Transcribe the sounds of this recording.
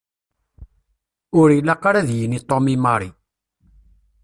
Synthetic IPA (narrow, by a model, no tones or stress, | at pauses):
ʊɾilaqaɾaðjənit̪ˤːomimɑɾˤi